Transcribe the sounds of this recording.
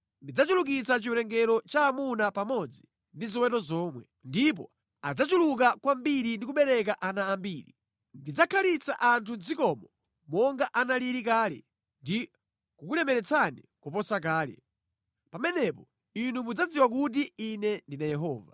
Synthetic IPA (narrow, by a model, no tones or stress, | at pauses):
ndid͡zat͡ʃuluk̬it͡sat͡ʃiuɾɛŋɡɛɾɔt͡ʃaːmunapamɔd͡zi | ndiziwɛtɔzɔːmwɛ | ndip̬ɔ̰ | ad͡zat͡ʃuluk̬akwambiɾindik̬uɓɛɾɛk̬aʔanaːmbiɾḭ | ndid͡zakʰalit͡sa̰ʔantʰund͡zikɔmɔ | mɔŋɡaʔanaliɾikaːlɛ̰ | ndi | kukulɛmɛɾɛt͡sʰani | kupɔsak̬aːlɛ̰ | pamɛnɛpɔ | inumud͡zad͡ziwak̬ut̬iinɛndinajɛɦɔːva̰